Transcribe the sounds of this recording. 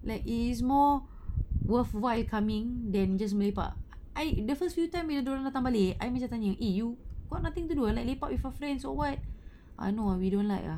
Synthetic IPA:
lajkis̬mɔ | wəfwajlkʰamɪ̃ŋdɛ̃nd͡ʒas̬məlepa̰ʔ | ajdəfəstfjutãjmwidədɔlãndat̪ãŋbalea̰jmat͡ʃãt̪aɲəʔejuɡ̥ɔʔ̚nat̪ĩŋt̪uduəlajk̚lepaʔwifafɾɛ̃nsɔwat̚ | ʔa̰jnoawidɔ̃nlajka̰

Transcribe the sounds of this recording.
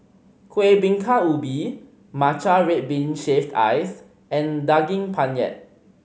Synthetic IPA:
kʰwebĩŋkʰaubi | mat͡ʃaɹet̚bĩnʃeftʰa̰js | ɛ̃ndaɡĩŋpʰãnjɛ̰t̚

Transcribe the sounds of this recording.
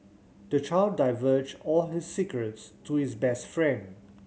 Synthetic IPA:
d̥ət͡ʃaɪldaɪvəd͡ʒɔlhɪsːikɹətstʰuhɪsbɛstfɹɛ̃nd

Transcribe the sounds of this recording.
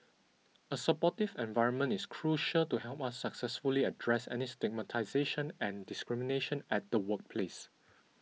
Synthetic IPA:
əsəpɔtivɛ̃nvaɪɹə̃nmə̃ntɪskʰɹuʃəltuhɛlpasːəksɛsfuliədɹɛsɛ̰nistɪɡ̚mətʰaɪzeʃə̃nɛ̃ndɪskɹimineʃə̃nɛt̚d̥əwək̚pʰles

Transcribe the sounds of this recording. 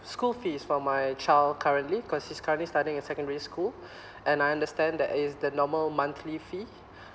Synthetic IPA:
skulfisfɔ̃majt͡ʃalkʰaɹə̃ntlikʰɔshiskʰaɹə̃nʔlistatɪ̃ŋɛsɛkə̃ndəɹiskul | ʔɛ̃najãndəstɛ̃nd̪ɛtɪsdənɔməlmãnt̪ʰlifi

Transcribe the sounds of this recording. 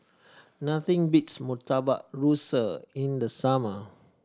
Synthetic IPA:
nat̪ĩŋbitsmut̪aba̰ʔɹusəĩndəsamə

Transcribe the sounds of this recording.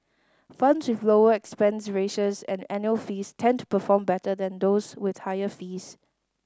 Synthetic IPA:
fãnswɪvloəɛkspɛ̃nsɹeʃəsɛ̰̃nɛ̃njuəlfiːstʰɛ̃ntʰu̥pəfɔ̃mbɛtədɛ̃nd̪oswɪðhaɪəfiːs

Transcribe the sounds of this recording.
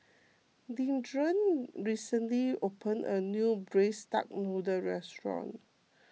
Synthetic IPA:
dĩndɹə̃nɹisə̃nliopə̃nə̰njubɹesta̰k̚nɔdəɹɛstɹɔ̰̃n

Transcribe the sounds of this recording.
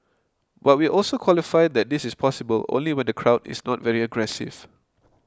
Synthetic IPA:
bat̚wiʔɔlsokʰwɔlifaɪd̚dɛt̚d̪ɪsɪspʰɔsɪbəlõ̰nliwɛ̃ndəkʰɹaʊdɪ̰snɔtvɛɹiəɡɹɛsɪ̰v̥

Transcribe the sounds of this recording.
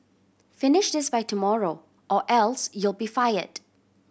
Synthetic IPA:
fɪnɪʃdɪsbaɪtumɔɹo | ʔɔʔɛlsjulˠbifajə̰d̥

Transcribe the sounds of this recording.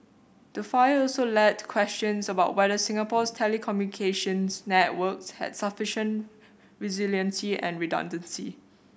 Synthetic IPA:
d̥əfaɪɔlsolɛtkʰwɛst͡ʃə̃nsəbaʊt̚wɛdəsɪ̃ŋəpɔstʰɛlikʰɔmjunikʰeʃə̃nsnɛt̚wəkshɛ̰dsəfɪʃə̃nt | ɹiziljə̃nsiɛ̰̃nɹidɔ̰̃ndə̃nsḭ

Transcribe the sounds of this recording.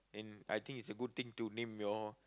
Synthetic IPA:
ɛ̃na̰jt̪ɪ̃ŋkitsəɡud̚t̪ɪ̃ŋtunẽmjɔ

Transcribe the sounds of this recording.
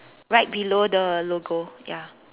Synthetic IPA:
ɹaɪt̚bilodəloɡoja

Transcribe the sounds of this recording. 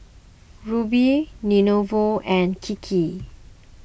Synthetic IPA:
ɹubininovoɛ̃nkʰikʰi

